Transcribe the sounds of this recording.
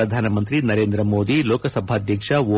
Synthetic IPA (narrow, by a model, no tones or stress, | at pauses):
ɐd̪ʱaːnɐmɐnt̪ɾinɐɾeːnd̪ɾɐmoːd̪iloːkɐsɐbʱaːd̪ʱjɐkʂɐʋo